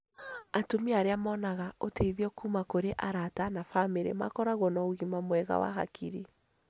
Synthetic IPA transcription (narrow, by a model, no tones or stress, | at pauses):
atomiaɾeamɔːnaɣaoteiðiɔkumakoɾeʔaɾatanafameɾḛma̰kɔɾaɣwɔnɔuɣimamwɛɣa̰wa̰ɦa̰kʰiɾi